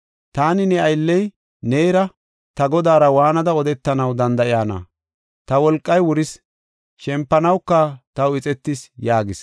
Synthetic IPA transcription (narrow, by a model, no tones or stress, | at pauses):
t̪aːnɪnɛɐjlːɛj | neːɾɐ | t̪ɐɡɔd̪aːɾɐwaːnɐd̪ɐɔd̪ɛt̪ːɐnɐwd̪ɐnd̪ɐʔɪjaːnɐ̰ | t̪ɐwɔlkʼːɐjwʊɾɪs | ʃɛmpːɐnɐwkːɐt̪ɐwɪt͡sʼɛt̪ːɪsjaːɡɪs